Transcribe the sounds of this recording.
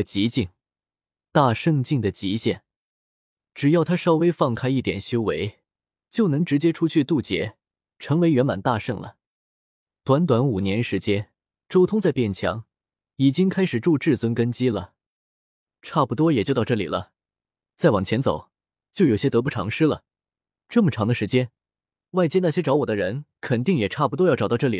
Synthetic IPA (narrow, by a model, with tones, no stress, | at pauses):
t͡ɕi˧˥t͡ɕi˥˩ŋ | t̪a˥˩ʂɤ˥˧ŋt͡ɕi˥˩ŋd̪ə˩t͡ɕi˧˥ɕjɛ˥˩n | ʈ͡ʂɻ̩˨˩jɑ˥˩ʊt̪ʰa˥ʂɑ˥ʊwe˥ɪfɑ˥˩ŋkʰa˥ɪi˥˩t̪jɛ̰˨˩nɕjo˥ʊwe˧˥ɪ | t͡ɕjo˥˩ʊnɤ˧˥ŋʈ͡ʂɻ̩˧˥t͡ɕjɛ˥ʈ͡ʂʰu˥t͡ɕʰy˥˧t̪u˥˩t͡ɕjɛ̰˧˥ | ʈ͡ʂʰɤ˧˥ŋwe˧˥ɪɥɛ˧˥nma̰˨˩nt̪a˥˧ʂɤ˥˩ŋlə̰˩ | t̪wa˧˥nt̪̬wa˧˥nu˨˩njɛ˧˥nʂɻ̩˧˥t͡ɕjɛ˥n | ʈ͡ʂo˥ʊt̪ʰʊ˥ŋt͡sa˥˧ɪpjɛ˥˩nt͡ɕʰjɑ̰˧˥ŋ | i˨˩t͡ɕi˥ŋkʰa˥ɪʂɻ̩˨˩ʈ͡ʂu˥˧ʈ͡ʂɻ̩˥˩t͡swə˥nkə˥nt͡ɕi˥lə˩ | ʈ͡ʂʰa˥˩pu˧˩t̪wɔ˥jɛ˨˩t͡ɕjo˥˧ʊɑ˥˧ʊʈ͡ʂɤ˥˩lḭ˨˩lə̰˦ | t͡sa˥˩ɪwɑ˨˩ŋt͡ɕʰjɛ˧˥nt͡so̰˨˩˦ʊ | t͡ɕjo˥˩ʊjo˨˩ʊɕjɛ˥t̪ɤ˧˥p̬u˥˩ʈ͡ʂʰɑ̰˧˥ŋʂɻ̩˥lə̰˨ | ʈ͡ʂɤ˥˩mə˩ʈ͡ʂʰɑ˧˥ŋd̪ə˧ʂɻ̩˧˥t͡ɕjɛ˥n | wa˥˧ɪt͡ɕjɛ˥na˥˩ɕjɛ˥ʈ͡ʂɑ˧˥ʊwɔ˨˩d̪ə˦ɻə˧˥nkʰə˨˩nt̪i˥˩ŋjɛ˨˩ʈ͡ʂʰa˥˩pu˧˩t̪wɔ˥jʈ͡ʂt̪ʈ͡ʂɤ˥˩lḭ˨˩